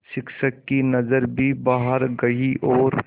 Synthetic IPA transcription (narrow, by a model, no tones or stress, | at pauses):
ʃɪkʃəkːinɐzəɾbʱibaːɦəɾɡɐiʔɔːɾ